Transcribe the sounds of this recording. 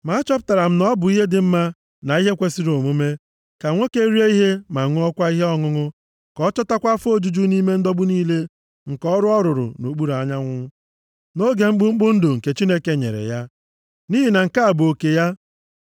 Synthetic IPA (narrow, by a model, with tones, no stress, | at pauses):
ma˨˦a˦t͡ʃɔ˦pʊ̥˦˨ta˨ɾa˨m̩˦nɔ˦bʊ˨i˦ɦe˦dɪ˨m̩˦ma˦ | na˨i˦ɦe˦kʷe˦si˦ɾo˨mu˦me˦ | ka˨ŋʷo˦ke˦ɾi˦e˦i˦ɦe˦ma˨ŋʊ˦ɔ˦kʷa˦i˦ɦe˦ɔ˦ŋʊ˦ŋʊ˦ | kɔ˦t͡ʃɔ˦ta˦kʷa˦fo˦d͡ʒu˦d͡ʒu˦ni˦me˦n̩˦dɔ˦ɡ͡bʊ˦niː˦le˦ | ŋ̩˨kɔ˦ɾʊ˦ɔ˦ɾʊ˨ɾʊ̰˨no˨ɡ͡bu˦ɾa˨ɲa˦ŋʷʊ˦ | no˦ɡe˨ŋ͡m̩˦ɡ͡bʊ˦ŋ͡m̩˦ɡ͡bʊ˦n̩˦dʊ˨ŋ̩˨ke˨t͡ʃi˦ne˦ke˦ɲḛ˨ɾḛ˨ja˦ | ni˦ɦi˨na˨ŋ̩˨ka˦a˨bʊ˨o˨ke˨ja˦